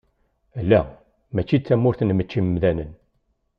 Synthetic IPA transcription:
lːæ | mæt͡ʃːit͡sːæmːʊɾθnmət͡ʃːimmðænən

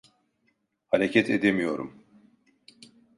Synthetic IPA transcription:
haɾecʰɛt̪ʰed̪emijo̞ɾṵm

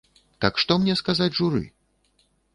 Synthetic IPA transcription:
t̪ɐkʂt̪ɔmnʲɛskazat͡sʲʐuɾɨ̰

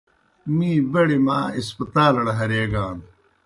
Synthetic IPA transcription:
mĩːbɐɽimaːispɐt̪aːlɐɽɐɦɐɾeːɡaːn

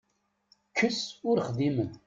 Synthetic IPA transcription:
kʰːəsʊɾχðimən

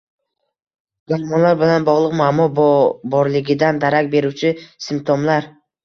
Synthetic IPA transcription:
ɡ̥aɾmɒnlaɾbɪlanbɒʁlˠɨqmamɒbɒɾlɪɡʲɪd̪and̪aɾakʲbe̞ɾuwt͡ʃʰɪsɪmt̪ʰɒmlaɾ

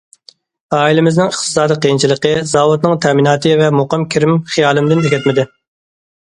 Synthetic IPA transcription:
ɑːilɪmɪznɪŋəχt̪ɨ̥sɑːd̪iqʰijint͡ʃʰilˠəqəzɑːwut̪nɨŋt̪ʰɛminɑːt̪ʰɨvɛmoqəmkʲʰiɾɪmχijɑːlˠɨmd̪ɪneɡʲɛt̪mɪd̪ɪ

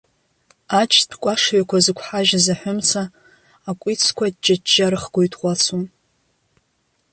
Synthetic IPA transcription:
at͡ʃʰʼdʰkʷʼaʂɥakʷʰazɨkʷʰħaʒazaħʷʊmt͡sʰaː | kʷʼit͡sʰkʷad̚d͡ʒad͡ʒaɾɨχɡ̥ʷojtʰʼqʷʼat͡sʰun

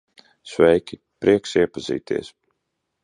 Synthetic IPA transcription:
svɛjkʲi | pɾʔiɛksiɛpaz̥ḭːt̪ʰḭɛs

